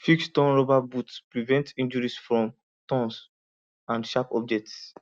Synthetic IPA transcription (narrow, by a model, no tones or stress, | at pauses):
fikstɔ̃nɹɔbabutspɹivɛ̃ntĩnd͡ʒɔɹisfɹɔ̃m | tɔ̃ns | ãndʃapɔ̰b̚d͡ʒɛk̚ts